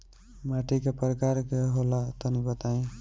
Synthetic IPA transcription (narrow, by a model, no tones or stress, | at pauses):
maʈikapɾkaɾkeɦolat̪ʌnibʌt̪aj̃